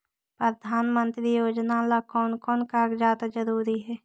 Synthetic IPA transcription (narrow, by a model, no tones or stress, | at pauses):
pɾəd̪ʱaːnmə̃nt̪ɾijoːd͡ʒnalakɔːnkɔːnkaːɡd͡ʒaːt̪d͡ʒəɾuːɾiɦɛː